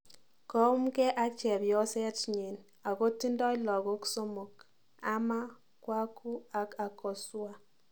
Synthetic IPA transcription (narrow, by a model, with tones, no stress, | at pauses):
kɔ˦m˦kɛ˦ʔa˦kt͡ʃɛ˨bjɔ˦sɛ˦tɲe˨n | a˨ɣo˦ti˦ndɔ˦i˦lɔ˨ɣo˦kso˦mo˨k | a˦ma˦ | kwa˦ku˦a˨ka˨kːɔ˨swa˦